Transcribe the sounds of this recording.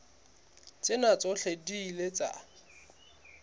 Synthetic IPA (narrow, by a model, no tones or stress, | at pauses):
t͡sʼɪnat͡sʼɔɬediːlet͡sʼa̰